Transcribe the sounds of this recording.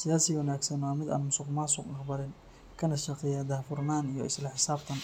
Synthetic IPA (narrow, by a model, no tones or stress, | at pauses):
sɪjaːsɪwɐnaːɡsɐnwaːmɪd̪a̰ːnmʊsʊqmaːsʊqnɐqbɐɾɪn | kʰɐnɐʃɐqɪjad̪aːfʊrnaːnijɔɪ̰slɐħɪsaːbt̪ʰɐn